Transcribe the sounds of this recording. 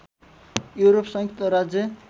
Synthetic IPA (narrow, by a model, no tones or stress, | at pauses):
juɾopsʌ̃ŋk̚t̪ʌɾad͡zjʌ